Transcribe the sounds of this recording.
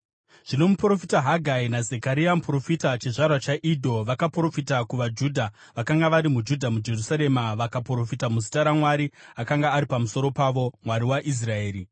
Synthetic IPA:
ʐ̥ino̞mupro̞fitaɦaɡʱainazekaɾiamupro̞fitat͡ʃiʐarwat͡ʃaʔidʱo̞ʋakapro̞fitakuʋad͡ʒudʱa | ʋakaŋɡaʋaɾimud͡ʒudʱamud͡ʒe̞rusaɾe̞maʋakapro̞fitamus̬i̥taɾamwaɾiakaŋɡaːɾipamuso̞ɾo̞paʋo̞mwaɾiwaʔis̬rae̞ːɾi

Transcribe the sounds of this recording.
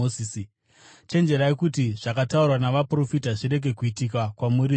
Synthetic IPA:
oisi | t͡ʃe̞nd͡ʒe̞ɾaekutiʐ̥akataurwanaʋapro̞fitaʐiɾe̞ɡʱe̞kuitikakwamuri

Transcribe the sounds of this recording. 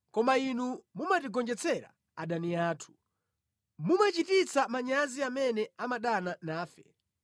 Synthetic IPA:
kɔmainumumatiɡɔnd͡ʒɛt͡sʰɛɾa̰ | aɗaniaːtʰu̥ | mumat͡ʃitit͡sʰamaɲaziamɛnɛamaɗananaːfɛ

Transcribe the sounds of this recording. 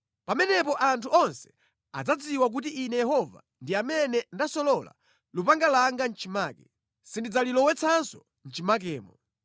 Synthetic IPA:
pamɛnɛpɔʔantʰuɔnsɛ̥ | a̰d͡zad͡ziwak̬utiʔinɛjɛhɔva̰ | ndiamɛnɛndasɔlɔla̰ | lupaŋɡalaŋɡan̩t͡ʃimaːkɛ | sindid͡zalilɔwɛt͡sʰansɔ | n̩t͡ʃimakɛːmɔ

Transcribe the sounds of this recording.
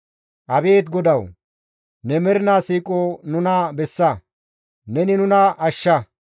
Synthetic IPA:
ʔɐbeːt̪ɡɔd̪ɐw | nɛmɛɾɪnaːsiːkʼoːnʊnɐbɛsːɐ | nɛnɪnʊnɐʔɐʃːɐ

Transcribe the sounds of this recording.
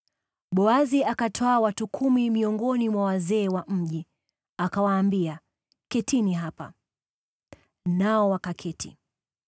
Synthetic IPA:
ɓɔaziakatʰɔawatukʰumimiɔŋɡɔnimwawazɛːwam̩ʄi | akawaːmbia | kɛtʰiniɦapa̰ | naɔwakakʰɛtʰḭ

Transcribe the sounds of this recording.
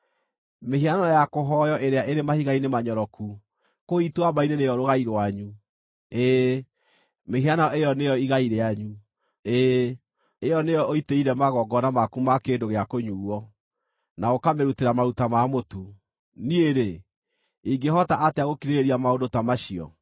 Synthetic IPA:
mehianɔjakoɦɔjɔʔeɾeaʔeɾemahiɣainemaɲɔɾɔku | koitwamainenejɔɾoɣaiɾwaɲu | e | meɦianaɔʔejɔnejɔiɣaiɾeaɲu | e | ejɔnejɔoiteiɾɛmaɣɔɡɔnamakumakendoɣeakoɲuːwɔ | naokameɾuteɾamaɾutamamotu | nieɾe | iɡeɦɔtaʔateaɣokiɾeɾeɾiamaodotamaɕiɔ̰

